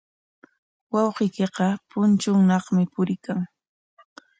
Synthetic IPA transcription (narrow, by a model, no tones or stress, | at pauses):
wɑwqɪjkeqɑpʊnt͡ʃʊŋnɑχmɪpʊɾɪkaŋ